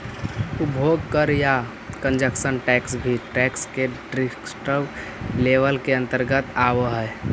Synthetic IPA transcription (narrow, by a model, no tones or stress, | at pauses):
ʊbʱoːɡkəɾja | kə̃nd͡ʒəkʃənʈɛːksbʱiʈɛːkskeɖɾɪksʈə | leʋəlkeə̃nt̪əɾɡət̪aːʋəɦɛ